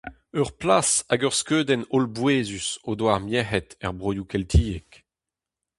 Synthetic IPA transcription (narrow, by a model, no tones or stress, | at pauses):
œʁplasaɡœʁskøːd̪ɛnolbweːzysod̪waʁmjɛɦɛt̪ɛʁbʁojukɛltʰiːek